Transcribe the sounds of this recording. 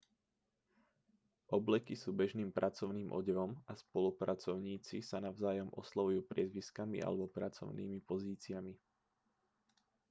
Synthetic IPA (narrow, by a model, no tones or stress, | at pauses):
ʔɔblɛkisuːbɛʒniːmpɾʔat͡sɔʊniːmʔɔ̰ɟɛʋɔmaspɔlupɾat͡sɔʊɲiːt͡sisanaʊzaːjɔmʔɔ̰slaʋujuːpɾɪɛzʋiskamḭʔa̰lɛbɔpɾat͡sɔ̰ʊnḭːmipɔziːt͡siami